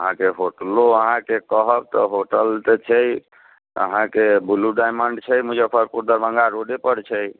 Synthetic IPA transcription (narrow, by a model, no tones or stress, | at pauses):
əɦãkeɦoʈloəɦãkekəɦəb̚t̪ɔɦoʈəlt̪et͡ʃʰɛj | ə̰ɦãkebuluɖajməɳɖt͡ʃʰəjmũd͡ʒəpʰəɾpuɾd̪əɾbə̃ŋɡaɾoɖepəɾt͡ʃʰəj